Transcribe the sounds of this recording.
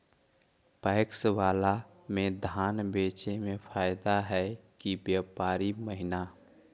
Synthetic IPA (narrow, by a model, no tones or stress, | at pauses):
paɪkswaːla | mẽd̪ʱaːnbeːt͡ʃemẽpʰaːjd̪aɦɛkibjaːpaːɾiməɦɪna